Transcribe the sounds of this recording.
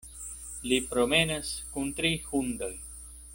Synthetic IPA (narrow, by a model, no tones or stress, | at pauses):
lipɾo̞me̞naskunt̪ɾihund̪oj